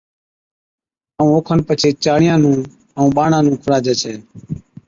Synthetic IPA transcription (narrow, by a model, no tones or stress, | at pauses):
əũːoːkʰənpət͡ʃʰeːt͡ʃaːɳɪjãːnũː | əũːɓaːɳãːnũːkʰʊɽaːd͡ʒeːt͡ʃʰɛː